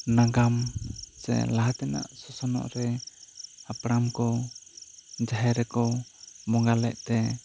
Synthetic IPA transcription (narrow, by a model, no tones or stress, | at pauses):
naɡamsɛ̰laɦat̪ɛna̰ʔsɔsɔnɔ̰ʔɾɛ | apɽamkɔ | d͡ʒaɦɛɾɛkɔbɔŋɡalɛ̰ʔt̪ɛ